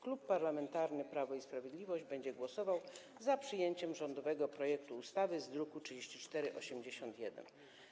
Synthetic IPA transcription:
klupːaɾlamɛnt̪aɾnɘpɾavɔispɾavʲjed̪lʲivɔʑd͡ʑbɛɲd͡ʑɛɡwɔsɔvaw | zapʂɘjeɲt͡ɕɛmʐɔnd̪ɔvɛɡɔpɾɔjɛkt̪uːst̪avɘzd̪ɾukutʂɘd͡ʑeɕt͡ɕit͡ʂt̪ɛɾɘʔɔɕɛmd͡ʑeɕɔnt̪jɛd̪ɛ̰n

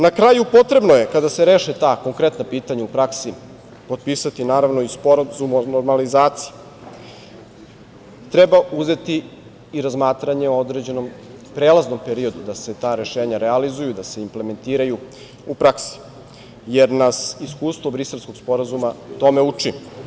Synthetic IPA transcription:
nakɾaːjupo̞t̪ɾe̞bnoje̞kad̪aseɾe̞ːʃet̪aːko̞ŋkɾet̪napiːt̪aɲaupɾaksi | po̞t̪̚piːsat̪inaːɾaʋnoispoɾazumonoɾmalizaːt̪si̥je | t̪ɾebauze̞t̪iː | ɾazmaːt̪ɾaɲe̞ood̪ɾed͡ʑe̞no̞m | pɾeːlazno̞mpe̞ɾio̞d̪ud̪ase̞t̪aːɾe̞ʃe̞ːɲaɾealizujud̪ase̞imple̞me̞nt̪iːɾaju | upɾaksi̥ | jeɾnasiskuːst̪ʋo̞bɾise̞lˠsko̞ɡspo̞ɾazumat̪o̞me̞ut͡ʂi

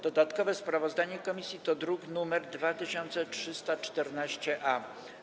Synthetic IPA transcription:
d̪̥ɔd̪at̪kɔvɛspɾavɔzd̪aɲɛkɔmʲisʲjit̪ɔd̪ɾuɡnumɛɾd̪vat̪ɘɕɔnt̪sɛtʂɘst̪at͡ʂt̪ɛɾnaɕt͡ɕɛʔa

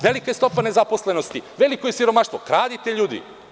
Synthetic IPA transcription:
ʋe̞likaest̪opane̞zaposle̞nost̪iʋe̞likojesiɾo̞maʃt̪ʋokɾaːd̪it̪eʎuːd̪ḭ

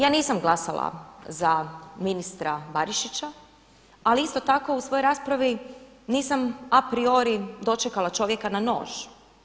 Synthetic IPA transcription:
jaːniːsamɡlˠasalˠa̰zaminist̪ɾabaɾiʃit͡ɕa | aliist̪o̞t̪ako̞usʋojoɾaːspɾaʋi | niːsamapɾio̞ɾid̪o̞t͡ʃekalˠat͡ʃo̞ʋje̞kanano̞̰ːʒ

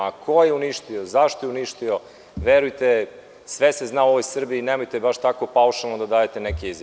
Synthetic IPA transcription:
akʰojeuniʃt̪io̞zaʃt̪ojeuniʃt̪io | ʋeɾujt̪e | sʋeseznaoʋojsr̩biːnemojt̪ebaʃt̪akopauʃalˠnod̪ad̪aːjet̪enekʲeizj

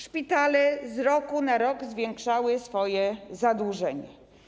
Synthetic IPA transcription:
ʂpʲit̪alɛzɾɔkunaɾɔɡzvʲjɛŋkʂawɘsfɔjɛzad̪uʐɛɲɛ

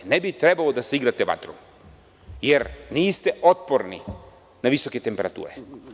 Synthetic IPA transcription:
nebit̪ɾebalod̪asiɡɾat̪eʋa̰t̪ɾṵ | jeɾniːst̪eot̪̚poɾnḭ | naʋiso̞ket̪empe̞ɾat̪ṵːɾḛ

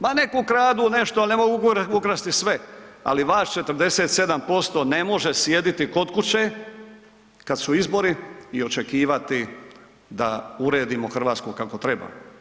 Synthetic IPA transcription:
mane̞kukɾaːd̪une̞ʃt̪onemoɡukukɾast̪isʋea̰liʋaːʃt͡ʃe̞t̪r̩d̪e̞se̞ːt̪se̞d̪ampo̞st̪o̞ne̞mo̞ʒesje̞d̪it̪iko̞t̪kut͡ɕe | kad̪suizbo̞ɾiːo̞t͡ʃe̞kiːʋat̪i | d̪a̰uɾe̞ːd̪imo̞xr̩ʋaːt̪skukako̞t̪ɾeba̰

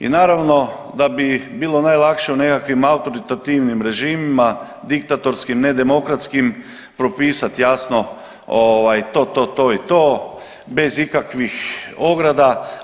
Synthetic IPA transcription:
ḭnaːɾaʋno | d̪abibiːlonajlˠakʃeunekakʋimaut̪oɾit̪at̪iːʋnimɾe̞ʒiːmima | d̪ik̚t̪at̪oɾskimned̪emokɾat̪skim | pɾopiːsat̪jaːsno | oːʋajt̪oːt̪oːt̪oit̪oː | bezikakʋixoɡɾad̪a

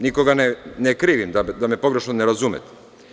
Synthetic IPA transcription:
niko̞ɡanenekɾiːʋimd̪ad̪ame̞po̞ɡɾe̞ʃnoneɾazumḛt̪

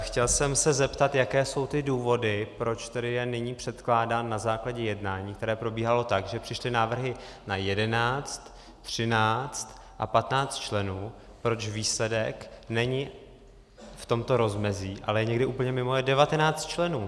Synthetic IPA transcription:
xcɛlsɛmsɛzɛpt̪at̪jakɛːso̞wt̪ɪduːvo̞dɪpɾo̞t͡ʃt̪ɛdɪjɛnɪɲiːpr̥ɛt̪klaːdaːnːazaːklaɟɛjɛdnaːɲiːk̚t̪ɛɾɛːpɾo̞biːɦalo̞t̪akʒɛpr̥ɪʃlɪnaːvr̩ɦɪ | najɛdɛnaːt͡st̪ | t̪r̝̥ɪnaːt͡st̪ | ʔa̰pat̪naːt͡st̪t͡ʃlɛnuː | pɾo̞t͡ʃviːslɛdɛknɛɲɪ | ft̪o̞mt̪o̞ɾo̞zmɛziːʔa̰lɛjɛɲɛɡdɪʔuːpl̩ɲɛmɪmo̞jɛdɛvat̪ɛnaːt͡st̪̚t͡ʃlɛnuː

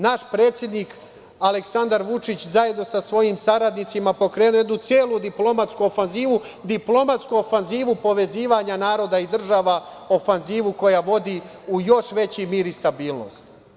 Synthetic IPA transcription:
naʃpɾe̞ːt̪sje̞d̪nik | aleksand̪aɾʋut͡ʃit͡ɕzaje̞d̪no̞sasʋo̞jimsaɾad̪nit̪simapo̞kɾe̞ːnuoje̞d̪nut̪sjeːlˠud̪iplo̞mat̪skuofanziːʋu | d̪iplo̞mat̪skuofanziːʋupo̞ʋe̞ziːʋaɲanaːɾo̞d̪aid̪r̩ʒaːʋa | o̞fanziːʋuko̞jaʋo̞d̪i | ujo̞ʃʋe̞t͡ɕimiːɾist̪abiːlˠno̞̰st̪

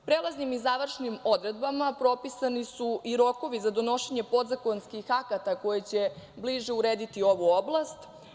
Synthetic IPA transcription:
pɾeːlˠaznimizaʋr̩ʃnimo̞d̪ɾe̞d̪bamapɾo̞pisanisuiɾo̞ko̞ʋizad̪o̞no̞ʃeɲe̞po̞d̪zako̞nskixakat̪ako̞jet͡ɕe̞bliʒeuɾeːd̪it̪io̞ʋuoblˠast̪

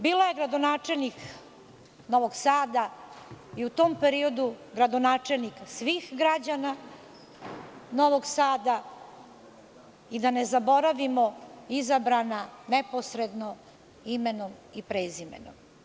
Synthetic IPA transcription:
biːlojeɡɾad̪onaːt͡ʂelʲnik | no̞ʋo̞ɡsaːd̪a | iut̪oːmpeɾio̞d̪uɡɾad̪onaːt͡ʂelʲniksʋiːxɡɾad͡ʑana | no̞ʋo̞ɡsaːd̪a | id̪anezabo̞ɾaʋimo̞izabɾananepo̞sɾed̪no | imenomipɾezimḛno̰m

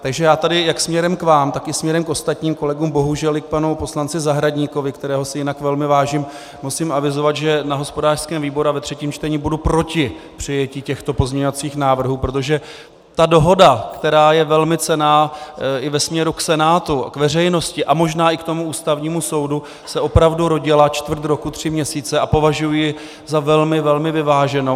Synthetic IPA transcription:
t̪aɡʒɛjaːt̪adɪjaksmɲɛɾɛmkvaːmt̪akɪsmɲɛɾɛmkʔo̞st̪at̪ɲiːmko̞lɛɡuːmbo̞ɦuʒɛlɪk̚panupo̞slant͡sɪzaɦɾadɲiko̞vɪkt̪ɛɾɛːɦo̞sɪjɪnakvɛlmɪvaːʒiːm | musimʔavɪzo̞vat̪ʒɛnaɦo̞spodaːr̥skɛːmviːbo̞ɾuavɛt̪r̝̥ɛciːmt͡ʃt̪ɛɲibudupɾo̞cɪ | pr̝̥ɪjɛciːcɛxt̪o̞pozmɲɛɲovat͡siːxnaːvr̩ɦuːpɾo̞t̪o̞ʒɛ | t̪ado̞ɦo̞dakt̪ɛɾaːjɛvɛlmɪt͡sɛnaːʔɪvɛsmɲɛɾuksɛnaːt̪ukvɛr̝ɛjno̞scɪʔamo̞ʒnaːʔɪkt̪o̞muʔuːst̪avɲiːmuso̞wdu | sɛʔo̞pɾavduɾo̞ɟɪlat͡ʃt̪vr̩t̪ɾo̞kut̪r̝̥ɪmɲɛsiːt͡sɛʔapo̞vaʒujjɪ | zavɛlmɪvɛlmɪvɪvaːʒɛno

